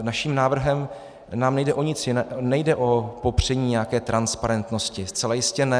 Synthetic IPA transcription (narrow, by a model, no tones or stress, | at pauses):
naʃiːmnaːvr̩ɦɛm | naːmnɛjdɛʔoɲɪt͡sjɪnɛnɛjdɛʔo̞po̞pr̝̥ɛɲiːɲɛjakɛːt̪ɾʔanspaɾɛnt̪no̞scɪst͡sɛlajɪscɛnɛ